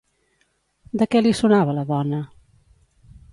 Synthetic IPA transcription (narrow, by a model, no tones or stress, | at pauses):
d̪əkɛlisunaβələðɔnə